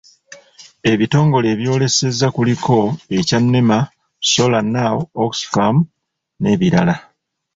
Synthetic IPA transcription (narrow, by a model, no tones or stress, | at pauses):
e̞βito̞ːŋɡo̞le̞ːβjo̞ːle̞se̞zːakulikʰo̞e̞canːema | so̞lanːaoksfam | ne̞ːβiɾa̰la